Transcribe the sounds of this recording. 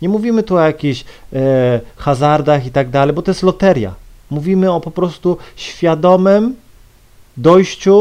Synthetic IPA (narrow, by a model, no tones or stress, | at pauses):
ɲɛmuvʲimɘt̪uɔjakʲiɕ | xazaɾd̪axit̪aɡ̚d̪alɛjbɔt̪ɔjɛst̪lɔt̪ɛɾʲja̰ | muvʲimɘɔpɔpɾɔst̪uɕfʲjad̪ɔmɘm | d̪ɔjɕt͡ɕu